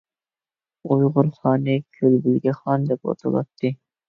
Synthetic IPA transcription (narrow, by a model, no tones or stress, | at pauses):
ujʁʊɾχɑːnɨkʲʰølbɪlɡʲɛχɑnd̪ɛpwɑ̰t̪ʰɑ̰lˠɑ̰t̪ʰːɨ